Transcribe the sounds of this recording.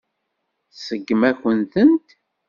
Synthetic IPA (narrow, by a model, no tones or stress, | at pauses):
səɡːmæçənt̪ənt̪